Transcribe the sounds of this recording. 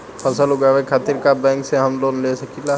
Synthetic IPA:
pʰɐsəlʊɡaːʋekʰaːt̪ɪɾkabɛ̃ːŋkseɦɐmloːnlesɐkʰila

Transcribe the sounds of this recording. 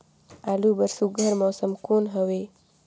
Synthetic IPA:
aːlubəɾsuɡʱəɾmɔːsəmkoːnɦəʋe

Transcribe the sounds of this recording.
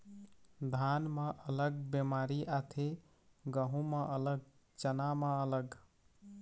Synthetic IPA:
d̪ʱanməʔələɡbemaɾiʔat̪ʰe | ɡəɦũmə̃ʔələɡ̚ | t͡ʃənaməələɡ

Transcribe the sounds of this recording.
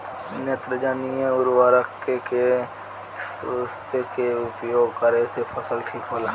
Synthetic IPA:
net̪ɾəd͡ʒaːnieʊɾwaːɾəkeke | səst̪ʰekeʊpjoːɡkəɾesepʰəsəlʈʰiːkɦoːlaː

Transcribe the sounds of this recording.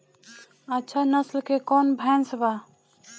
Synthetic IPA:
ɐtːʃʰanɐslkekɔːnbʱɐjnsbaː

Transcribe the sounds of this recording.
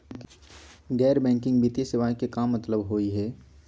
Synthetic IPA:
ɡɛːɾbɛ̃ːŋkɪ̃ŋɡbit̪esɪʋaːjkekaːmːɐt̪ləbɦoːiɦɛː

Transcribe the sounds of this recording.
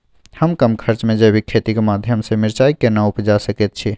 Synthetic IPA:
həmkəmkʰəɾt͡ʃmẽd͡ʒebʱikʰːet̪ikemad̪ʱjəmsẽmɪɾt͡ʃaikːenaupd͡ʒasəket̪̚t͡ʃʰi

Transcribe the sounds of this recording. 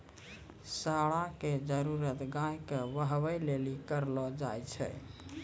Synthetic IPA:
saɽaked͡ʒəɾuɾət̪ɡãjkeʋəɦβəjlelikəɾlɔd͡ʒajt͡ʃʰɛ̰

